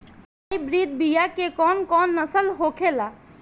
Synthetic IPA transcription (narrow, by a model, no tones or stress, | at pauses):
saibɾiːd̪̚bijakekɔːnkɔːnːəsəlɦoːkʰela